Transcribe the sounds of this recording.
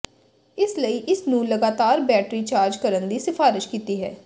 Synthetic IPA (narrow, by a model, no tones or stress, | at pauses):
ɪsləiːʔɪsnũːləɡaːt̪aːɾbɛːʈɾiːt͡ʃaːɾd͡ʒkəɾənd̪iːsɪfʰaːɾɪʃkiːt̪iːɦɛː